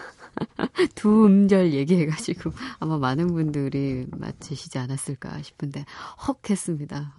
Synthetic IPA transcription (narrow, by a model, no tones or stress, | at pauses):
tuɯmd͡ʑʌɭje̞ɡiɦe̞ɡad͡ʑiɡ̥oamamanɯnbundɯɾima̰t͡ɕʰɯɕʰid͡ʑianas͈ɯɭk͈a̰ɕʰi̥pʰɯnde̞hʌkʰe̞s͈ɯmɲida